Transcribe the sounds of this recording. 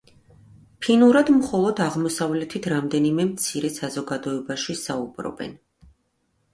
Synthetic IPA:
pʰinuɾad̪mχɔlˠɔd̪aʁmɔsavlɛt̪ʰit̪ʰɾamd̪ɛnimɛmt̪sʰiɾɛsazɔɡad̪ɔɛbaʃisaubɾɔ̰bɛ̰n

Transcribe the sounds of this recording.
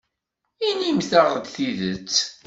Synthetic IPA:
inimθəʁəd̪θiðət͡sː

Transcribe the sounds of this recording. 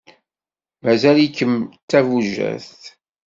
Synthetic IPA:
mæzælikːəmt̪ːævuʒæ̰θ

